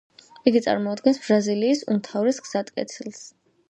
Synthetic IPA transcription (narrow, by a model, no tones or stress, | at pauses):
iɡit̪sʼa̰ɾmɔːd̪̚ɡɛnsb̥ɾaziliːsṵmt̪ʰavɾɛsɡz̥at̪ʼkʼɛ̰t̪sʰilˠs